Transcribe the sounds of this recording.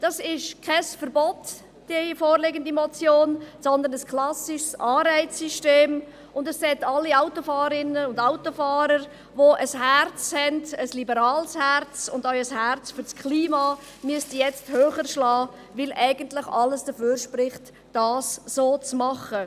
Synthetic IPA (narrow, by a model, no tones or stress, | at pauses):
d̥ɑsɪʃkʰɛsfəɾbɔt | d̥iəfoːɾlɪɡəndimɔt͡sjoːnsɔnd̪ənəskʰlɑsɪʃsɑːɾɛɪt͡sːyʃteːm | ʊndəssɛtɑlːiaʊtofɑːɾəɪnəʊndaʊtofɑːɾəɾ | ʋoʔəshært͡shɛndəslibəɾɑːlshɛrt͡sʊndaʊəshæɾt͡sfyɾskʰliːmɑ | myəstijɛt͡sthøːχəɾʃlɑː | vɪlʔɛɪɡəntlɪχɑləsd̥əføːɾʃpɾɪχt | d̥ɑːsːoːt͡smɑχə